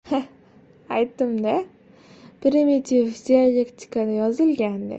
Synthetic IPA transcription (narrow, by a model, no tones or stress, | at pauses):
h | ajt̪ːɨmd̪a | pɾimit̪ʰivd̪ialʲekt̪ʲʰi̥kad̪ajɒzɨlɡʲand̪ɪ̰